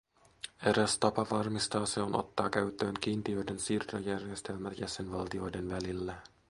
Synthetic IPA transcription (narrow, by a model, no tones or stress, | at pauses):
eɾæst̪ɑpɑʋɑrmist̪ɑːseo̞no̞̰t̪ːɑːkæɥt̪ːˑø̞ːŋk̟iːnt̪iø̞jde̞nsiːrt̪ojærje̞st̪e̞lmæt̪jæse̞nʋɑlt̪io̞jde̞nʋælilːæ